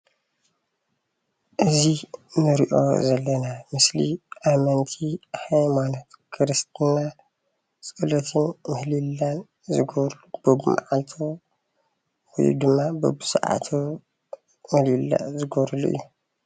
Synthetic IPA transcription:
ʔɨzinɨɾiʔo̞̰zɐlːɐnamɨslḭʔamɐnt̪ʰihajmanot̪kʰɨɾɨst̪ʰɨɲa | t͡sʼɨlɐt̪ʰɨnmɨhlilːan | zɨɡoβɾlubɨbuma̰ʕalt̪ʰo | wɔ̰j̰d̪ɨmːabɨ̰busaʔa̰t̪ʰo | mɨhlilːa̰zɨɡoɾluʔɨ̰jːu

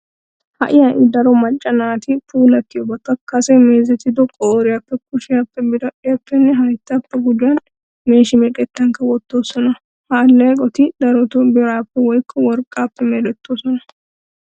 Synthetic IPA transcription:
hɐ̰ʔɪjɐʔɪd̪ɐɾɔmɐt͡ʃʼːɐnaːt̪ɪpuːlɐt̪ːɪjɔbɐk̪ːɐkːɐsɛmeːzɛt̪ːɪd̪ɔkʼɔʔɔɾɪjɐpːɛk̚ʊʃɪjɐpːɛbɪʔɪjapːɛnːɛɦɐjt̪ːɐpːɛɡʊd͡ʒʊɐn | me̞ːʃɪmɪkʼɛt̪ːɐŋkɐwɔt̪ːo̞ːsɔnɐ | haːlːɐkʼɔt̪ɪd̪ɐɾɔt̪ɔbɪɾaːpːɛwɔjkʰːɔwɔɾkʼːaːpːɛmɛlɛt̪ːoːsɔnɐ

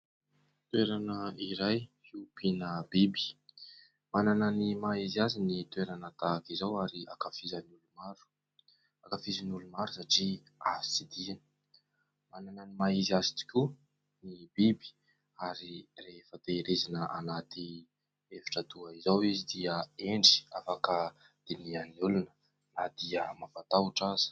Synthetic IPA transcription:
t̪weɾanəiɾaj | iupʰinəbibi̥ | manananimaizazinit̪weɾanət̪akizawaɾia̰kafizanulumaɾu̥ | akafizanulumaɾusaʈ͡ʂi | azi̥t͡sid̪ian | manananimaizazit̪i̥kʲu | nibibi̥ | aɾirefəd̪eɾezinəʔanat̪i | evi̥ʈ͡ʂat̪uaizawizid̪iəeɳɖ͡ʐi̥afakə | d̪̥inianiulunə̥ | nad̪̥iəmavat̪auʈ͡ʂazi̥

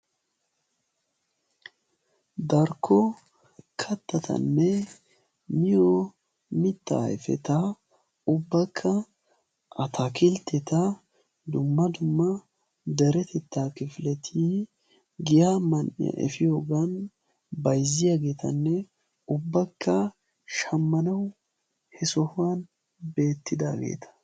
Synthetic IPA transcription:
d̪ɐɾkʰːɔ | kʰɐt̪ːɐt̪ʰɐ̰nːɛ | mɪjo | mɪt̪ːa̰ːɛfɛ̰t̪a | ʊbːɐkʰːɐ | ʔɐt̪ʰakɪlt̪ɛt̪ɐ | d̪ʊmːɐd̪ʊmːɐ | d̪ɛɾɛt̪ɛt̪ːaːkɪflɛt̪ʰi | ɡɪjaːmɐnɪ̰jɐ̰ʔɛ̰fɪjoːɡɐn | bɐjzɪjaɡe̞ːt̪ɐ̰nːɛ | ʊbːɐkːɐ | ʃɐmːɐnɐw | hɛsɔhʊwan | be̞ːt̪ːɪd̪aːɡḛːt̪ʰɐ̥

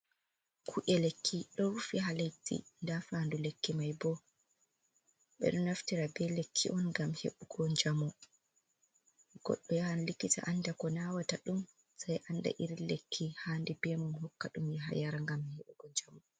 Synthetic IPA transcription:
kʰuʔɛlekʰːiɗɔɾufiɦalatḭndafandulekʰːimajbɔ | ɓɛ̰ɗɔnaftiɾabɛlekʰːḭʔɔnɡamhḛɓuɡɔɲd͡ʒamɔ | ɡ̥ɔ̰ɗːɔjaanlikita̰ʔanːdakɔnawataɗum | sajʔanda̰ʔiɾilekʰːihaːndibɛmunɦɔkːaɗumjɛɦa̰jaɾaŋɡamheɓuɡɔɲd͡ʒamɔ

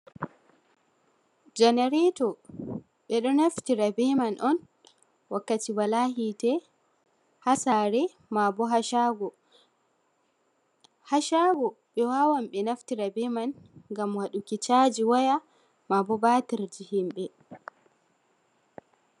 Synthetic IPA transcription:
d͡ʒɛnɛɾɛtɔ | ɓɛɗɔnaftiɾabɛmanʔɔn | wakːatiwalaɦitɛ | hasaɾɛ | mabɔɦaʃaɡɔ | haʃaɡɔ | ɓɛwawamɓɛnaftiɾabɛmanŋɡamwaɗukit͡ʃad͡ʒiwaja | mabɔbatiɾd͡ʒihimɓɛ

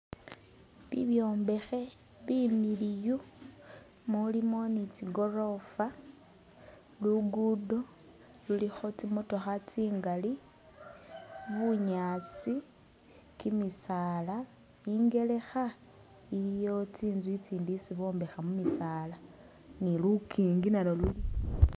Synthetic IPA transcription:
βḭβjo̞ːmbe̞xe̞ | βimiliju | mulimo̞nit͡siɡo̞ro̞fa | luɡudo̞ | lulixo̞t͡simuto̞xat͡siːŋɡali | βuɲat͡si | kimisaːla | iŋɡe̞le̞xa | ilijo̞t͡siːnzwit͡siːndisiβo̞ːmbexamumisaːla | nilukiːŋɡinaloluli

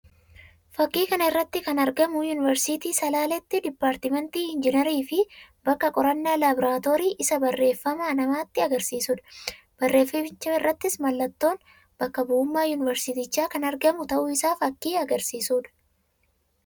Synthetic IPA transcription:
fɐkːiːkɐnɐɪrːɐt̪ːɪkɐnɐɾɡɐmʊjʊːnɪvɛɾsɪt̪iːsɐlaːlɛt̪ːɪd̪ɪpːaːɾt̪ɪmɛnt̪iːɪnd͡ʒɪnɐɾiːfɪbɐkːɐkʼɔɾɐnːaːlaːbɪɾaːt̪o̞ːɾiːʔɪsɐbɐrːe̞ːfːɐmaːnɐmaːt̪ːɪɐɡɐɾsiːsuːᶑɐ̥ | b̥ɐrːe̞ːfːɪɪt͡ʃːɐɪrːɐt̪ːɪsmɐlːɐt̪ːo̞ːn | b̥ɐkːɐbʊʊmːaːjʊnɪvɛɾsɪt̪ɪt͡ʃːaːkɐnɐɾɡɐmʊt̪ɐʔʊɪsaːfɐkːiːɐɡɐɾsiːsuːᶑɐ̥

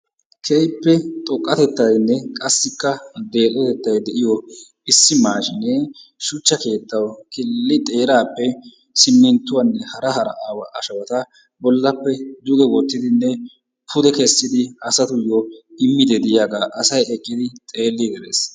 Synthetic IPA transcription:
kʰejpːɛt̪ʼɔkʼːɐt̪ɛt̪ːɐjnːɛkʼɐsːɪkːɐd̪e̞ːt̪ʼɔt̪ɛt̪ːɐjd̪ɛʔɪjɔ | ɪsːɪmaːʃɪneʃʊt͡ʃːɐke̞ːt̪ːɐwkɪlːɪt̪ʼe̞ːɾaːpːɛ | sɪmːɪnt̪ːʊwɐnːɛhɐɾɐhɐɾɐ̰ʔaːwɐʔɐʃɐwɐt̪ɐ | bɔlːɐpːɛd̪ʊɡ̪ɛwɔt̪ːɪd̪ɪnːɛ | pʰʊd̪ɛkɛsːɪd̪ɪɐsɐt̪ʊjɔɪmːɪd̪ɛd̪ɪjaːɡaːʔɐsɐjɛkʼːɪd̪ɪt̪ʼe̞ːlːid̪ɛɾḛs

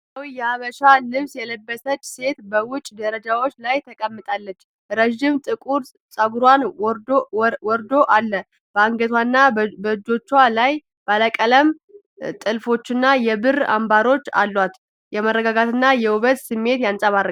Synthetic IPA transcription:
sawjɛaβəʃalɨβsjɛləbːəsət͡ʃʼːse̞t̪bəwʊt͡ʃʼːd̪əɾəd͡ʒawo̞t͡ʃːlajt̪ʰəkʼəmːɨt̪ʼalːət͡ʃː | ɾəʒɪmt̪ʼɨkʼuɾ | sʼəɡuɾwan | wɔɾd̪o̞ʔalːə | b̥əaŋɡət̪ʰwanːabəd͡ʒo̞t͡ʃːwalaj | baləkʼələm | t̪ʼɨlfo̞t͡ʃːɪnːajɛbɨra̰mbaɾo̞t͡ʃːa̰lːwat̪ | jɛmərːəɡaɡat̪ɨnːajɛuβət̪sɨmːe̞t̪jansʼaβaɾə

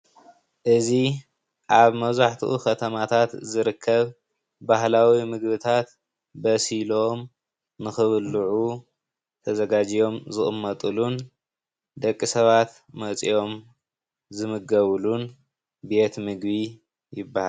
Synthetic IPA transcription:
ʔɨzi | ʔaβmɐβzaħt̪ʰiʔṵkʰɐt̪ʰɐmat̪ʰat̪zɨɾɨkʰːɐβ | baɦlawimɨɡβɨt̪ʰat̪ | bɐsilo̞m | nɨxɨβɨlːuʕu | t̪ʰɐzɐɡad͡ʒijo̞mzɨχʼɨmːɐt̪ʼɨlun | d̪ɐkʼːisɐβat̪ | mɐt͡sʼijo̞m | zɨmɨɡɐβlun | be̞t̪mɨɡbi | jɪbːahal

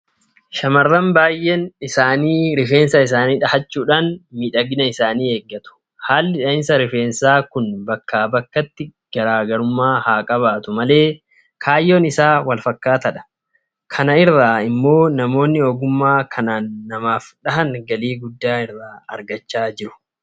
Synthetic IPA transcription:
ʃɐmɐrːɐmbaːjːɛnɪsaːniːɾɪfeːnsɐɪs̬aːniːᶑɐhɐt͡ʃːuːᶑaːnmiːᶑɐɡɪnɐɪsaːniːe̞ːɡːɐt̪ʊ̥ | haːlːɪᶑɐɪnsɐɾɪfeːnsaːkʊnbɐkːaːbɐkːɐt̪ːɪɡ̥ɐɾaːɡɐɾʊmːaːhaːkʼɐβaːt̪ʊmɐle̞ː | kʰaːjːo̞ːnɪsaːwɐlfɐkːaːt̪ɐᶑɐ̥ | kʰɐnɐɪrːaːɪmːo̞ːnɐmo̞ːnːɪoːɡʊmːaːkʰɐnaːnːɐmaːfᶑɐɦɐnɡɐliːɡʊd̪ːaːɪrːaːɐ̰ɾɡɐt͡ʃːaːd͡ʒɪɾʊ̥

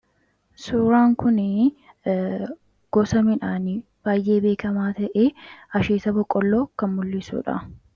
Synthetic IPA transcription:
suːɾaːŋkʊnɪ | ɡ̥ɔsɐmɪᶑaːnɪ | b̥aːjʔe̞ːbe̞ːkɐmaːt̪ɐʔeːɐʃeːsɐbɔkʼːɔlːoːkɐnmʊlːɪsṵːᶑɐ̰

